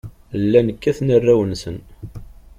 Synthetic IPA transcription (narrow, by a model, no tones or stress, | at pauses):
lːænəkːæθnərːæwənsən